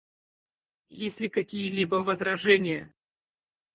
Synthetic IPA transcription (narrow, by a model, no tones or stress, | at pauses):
jesʲlʲɪkɐkʲijəlʲibəvəzɾɐʐɛnʲɪjə